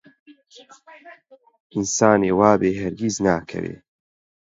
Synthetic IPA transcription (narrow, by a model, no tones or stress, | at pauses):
ʔinsaːneːwaːbeːɦɐɾɡiznaːkʰɐ̰wḛː